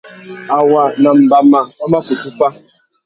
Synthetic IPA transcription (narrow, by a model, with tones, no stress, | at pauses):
a˨wa˨na˨m̩˨ba˦ma˨ɔ˦ma˦ku˨ku˦ka˦